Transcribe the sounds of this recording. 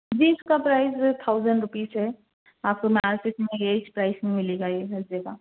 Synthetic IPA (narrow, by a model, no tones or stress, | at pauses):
d͡ʒiːɪskapɾaːɪst̪ʰaʊzəɳɖɾʊpiːsɦɛ | aːp̚komaːɾsɪsmẽjet͡ʃpɾaːɪsĩmɪleɡajeɦɐzeka